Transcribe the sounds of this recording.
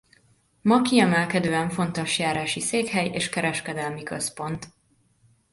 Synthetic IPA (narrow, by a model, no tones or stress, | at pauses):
mɒkiɛmɛlkɛd̪øːɛɱfo̞nt̪o̞ʃjaːɾaːʃiseːkhɛjḛːʃkɛɾɛʃkɛd̪ɛlmikøspo̞nt̪